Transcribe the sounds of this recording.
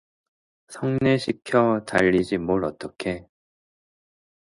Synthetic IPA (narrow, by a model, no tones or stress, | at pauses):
sʰʌŋneɕʰikʰjʌtaʎːid͡ʑimoɭʌt͈ʌkʰe̞